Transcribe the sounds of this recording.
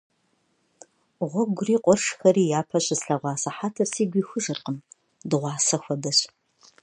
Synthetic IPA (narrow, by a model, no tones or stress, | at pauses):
ʁʷɔɡʷʊriːqʷʼɔrʂxɐɾiːjaːpʰɐɕʼɪsɬɐʁʷɑːsɐħaːtʰɐrsiːɡʷiːxʷʊʒɐrqʼəm | dɨʁʷɑːsɐxʷɔdɐɕ